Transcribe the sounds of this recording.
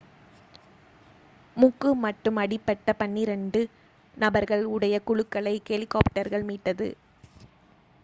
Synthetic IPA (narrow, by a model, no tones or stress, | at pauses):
mʊkːɯmɐʈːɯmɐɽɪpːɐʈːɐpɐɳːiɾɛɳɖɯ | nɐbɐɾɣɐɭʊɽɐjɐkʊɻɯkːɐɭɐɪkɛlɪkːaːpʈɐɾɣɐɭmiːʈːɐðɯ̰